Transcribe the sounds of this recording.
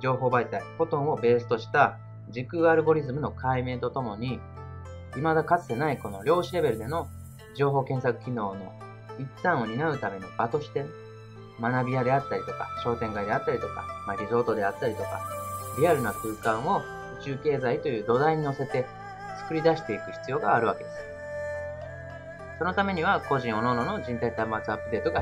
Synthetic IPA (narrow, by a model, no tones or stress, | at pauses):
d͡ʑo̞ːɦo̞ːbait̪aiho̞t̪õ̞ɰ̃o̞be̞ːs̬ɨ̥t̪o̞ɕi̥t̪a | d͡ʑikɯ̟aɾɯ̟ɡo̞ɾʲizɨmɯ̟no̞kʰaime̞ːt̪o̞t̪o̞mo̞ɲ̟i | imad̪akat͡sɨ̥t̪e̞naiko̞no̞ɾʲo̞ːɕiɾe̞be̞ɾɯ̟d̪e̞no̞ | d͡ʑo̞ːɦo̞ːkẽ̞ɰ̃sakɯ̟̥kʲino̞ːno̞̰ | it͡sːãɰ̃o̞ɲ̟inaɯ̟t̪ame̞ɲ̟ib̥at̪o̞ɕi̥t̪e̞ | manabʲijad̪e̞at̪ːaɾʲit̪o̞kaɕo̞ːt̪ẽ̞ŋkaid̪e̞at̪ːaɾʲit̪o̞ka̰maɾʲizo̞ːt̪o̞d̪e̞at̪ːaɾʲit̪o̞ka̰ɾʲiaɾɯ̟nakɯ̟ːkãɰ̃o̞ | ɯ̟t͡ɕɨːke̞ːzait̪o̞jɯ̟ːd̪o̞d̪aiɲ̟ino̞se̞t̪e̞ | t͡sɨ̥kɯ̟ɾʲid̪aɕi̥t̪e̞ikɯ̟çi̥t͡sɨjo̞ːɡaːɾɯ̟βake̞d̪e̞sɨ̥ | so̞no̞t̪ame̞ɲ̟iβako̞ʑĩɰ̃o̞nonono̞d͡ʑĩnt̪ait̪amat͡sɨapːɯd̪e̞ːt̪o̞ɡa